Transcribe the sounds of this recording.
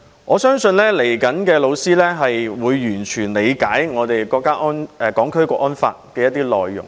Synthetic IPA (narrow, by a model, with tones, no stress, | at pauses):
ŋɔː˨˧sœː˥ŋsɵ˧nlɛː˥le˨˩jkɐ˨˥nkɛː˧lo˨˧wsiː˥lɛː˥ɦɐ˨jwuː˨˧jːyː˨˩nt͡ʃʰyː˨˩nle˨˧jkaː˨˥jŋɔː˨˧t̪e˨jkɔː˧kːaː˥ʔɔː˥nɛ˨˧kɔː˨˥ŋkʰɵ˥ɥkɔː˧ʔɔː˥nfa̰ː˧t̚kɛː˧jɐ˥t̚t̪iː˥lɔ̰ː˨jːʊ̰˨˩ŋ